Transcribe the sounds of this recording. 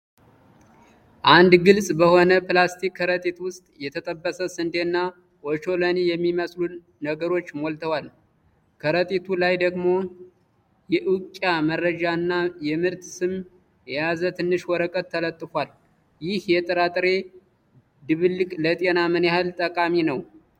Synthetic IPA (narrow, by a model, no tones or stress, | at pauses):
ʔand̪ɡɨlsʼbəho̞nəplast̪ʰikʰːəɾət̪ʼit̪wʊst̪ʼjɛt̪ʰət̪ʼəbːəsəsɨnd̪enːa | wɔt͡ʃo̞lənijɛmːiməslu | nəɡəɾo̞t͡ʃːmolt̪ʰəwal | kʰəɾət̪ʼit̪ʰulajd̪əɡmo̞ | jɛʔukʼːjaməɾːəd͡ʒaɨnːajɛmɨɾt̪sɨm | jɛjazət̪ʰɨnːɨʃwɔɾəkʼət̪ʰːələt̪ʼːɨfʷal | jɪhjɛt̪ʼɨɾat̪ʼɾe̞ | d̪ɨβɨlɨkʼlət̪ʼenamənehalt̪ʼəkʼaminəw